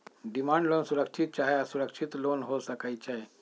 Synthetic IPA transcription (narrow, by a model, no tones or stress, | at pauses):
ɖimaɳɖlonsuɾəkʂʰit̪̚t͡ɕaɦeasuɾəkʂʰit̪lonɦosəkajt͡ɕaɦe